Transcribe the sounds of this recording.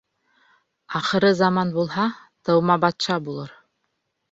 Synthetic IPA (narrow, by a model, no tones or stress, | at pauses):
ɑχɤ̆ɾɤzɑmɑnbulˠɦɑ | t̪ɤ̆wmɑbɑt̪ʃɑbulˠɤɾ